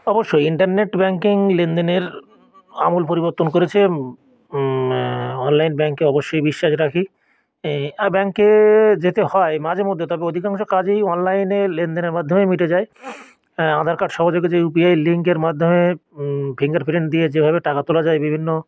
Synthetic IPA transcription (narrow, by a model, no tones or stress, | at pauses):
ɔboʃːojiɳʈaɾneʈbɛŋkiŋlend̪eneɾ | a̰mulpoɾiboɾt̪onkoɾet͡ɕʰe | ɔnlajnbɛŋkeɔboʃːojbiʃːaʃɾakʰi | abɛŋkːed͡ʑet̪ehɔemad͡ʑemod̪ʱːet̪ɔbeod̪ʱikaŋʃokad͡ʑejɔnlajnelend̪eneɾmad̪ʱːomemiʈed͡ʑae | ãd̪ʱaɾkaɖʃɔɦod͡ʑok̬ed͡ʑeup̬iajliŋkeɾmad̪ʱːome | pʰiŋɡaɾfɾeɳʈd̪ied͡ʑebʱabeʈakat̪olad͡ʑaebibʱinːo